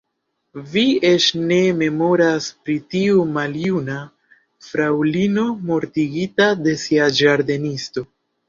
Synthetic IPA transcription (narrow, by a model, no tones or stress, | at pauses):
vie̞t͡ʃne̞me̞mo̞ɾaspɾitiumaljuna | fɾawlino̞mo̞ɾtiɡitade̞siad͡ʒaɾde̞nisto̞